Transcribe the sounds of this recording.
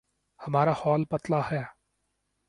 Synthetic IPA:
həmaːɾaːhɔːlpət̪laːhɛː

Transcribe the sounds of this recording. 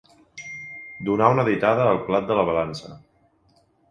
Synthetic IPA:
d̪unawnəðit̪aðəːlˠplat̪̚d̪ələβ̞əlansə

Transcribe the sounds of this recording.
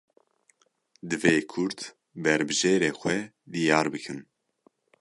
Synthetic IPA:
d̪ɨveːkʰʊɾt̪ | bɛɾbɨʒeːɾeːxʷɛ | d̪ijɑːɾbɨkʰɨn

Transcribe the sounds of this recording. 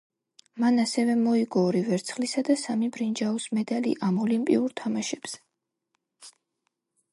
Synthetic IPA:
manasɛvɛmɔiɡɔɾivɛɾt̪sʰχlisad̪asamibɾind͡ʒausmɛd̪alḭʔamɔlimpʼiuɾt̪ʰamaʃɛps

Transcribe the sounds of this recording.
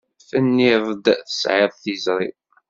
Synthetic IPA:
fənːiðˤəd̪θə̥sʕɪðˤθizɾˤḭ

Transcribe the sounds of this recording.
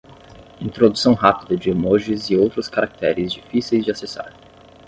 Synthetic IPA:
ĩt̪ɾod̪usɐ̃w̃ɦapid̪ɐd͡ʒɪemoʒɪzɪowt̪ɾʊskaɾak̚t̪ɛɾɪzd͡ʒifisejzd͡ʒɪasesa̰ɾ

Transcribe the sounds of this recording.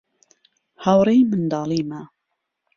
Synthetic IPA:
hawriːmɨnd̪ɑːliːma

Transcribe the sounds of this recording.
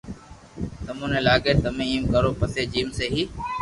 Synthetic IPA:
səmũːnẽːlaːɠeːt̪əmẽːiːmkəɾoːpəsʰeːd͡ʒiːmseːɦiː

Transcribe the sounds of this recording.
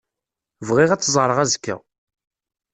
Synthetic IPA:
vʁiʁæt͡sːzˤɾˤəʁæzkːæ̰

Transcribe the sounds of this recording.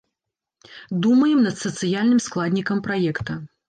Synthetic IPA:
d̪umɐjɛmnɐt̪sɐt̪sɨjalʲnɨmsklˠad̪ʲnʲikɐmpɾajɛkt̪ɐ

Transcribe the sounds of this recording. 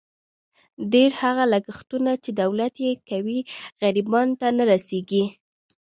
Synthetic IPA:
ɖeɾhaɣalaɡɪxt̪unat͡ʃed̪awlat̪jekawiɣaɾibɑnt̪anaɾaseɡi

